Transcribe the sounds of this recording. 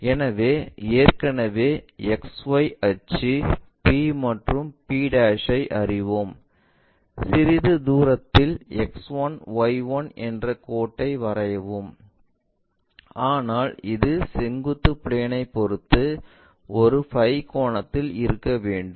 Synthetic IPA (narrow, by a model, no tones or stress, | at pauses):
ɛnɐʋeːeːrkɐnɐʋeːɛksʋɐɪʔɐt͡ʃːi | piːmɐʈrɯmpiːɽaːʂɐɪʔɐrɪʋom | sɪɾɪðɯd̪uːɾɐt̪ːɪlɛksʋɐnʋɐɪʋɐnʔɛndrɐkoːʈːɐɪʋɐɾɐjɐʋɯm | aːnaːlɪðɯsɛŋɡɯt̪ːɯpɭeːnɐɪpːɔɾɯt̪ːɯ | ɔɾɯpɐɪkoːɳɐt̪ːɪlɪɾɯkːɐʋeːɳɖɯm